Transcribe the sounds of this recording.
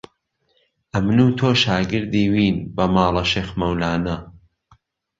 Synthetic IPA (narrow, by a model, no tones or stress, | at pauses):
ʔɐmnuːt̪ʰoːʃaːɡɨɾd̪iːwiːnbɐmaːlˠɐʃeːxmɐwlaːnɐ